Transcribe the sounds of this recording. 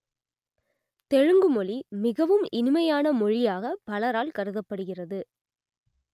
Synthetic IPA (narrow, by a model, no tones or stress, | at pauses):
t̪ɛɻɯŋɡɯmɔɭimɪɣɐʋɯmɪnɪmɐjaːnɐmɔɻɪjaːɣɐpɐlɐɾaːlkɐɾɯðɐpːɐɽɯɣɪrɐðɯ